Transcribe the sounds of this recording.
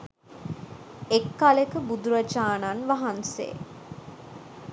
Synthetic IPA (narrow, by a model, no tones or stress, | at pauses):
ekːalekəbud̪uɾat͡ʃaːnanʋaɦansḛː